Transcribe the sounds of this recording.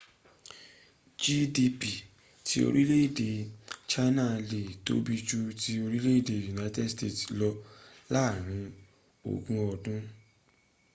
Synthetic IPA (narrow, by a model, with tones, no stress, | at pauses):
d͡ʒi˦di˧pi˨ | tʰi˧˦o̰˧ɾi˦le˦i˦˨de˧t͡ʃa˦nã˦le˨to̰˦bi˧d͡ʒu˧ti˧o˧ɾi˦le˦i˦˨de˧ju˨na˦i˦tɛ˦dste˦˨tlɔ˧ | la˦˨ɾ̃ĩ˧ | o̰˨ɡũ˧ɔ˧dũ˦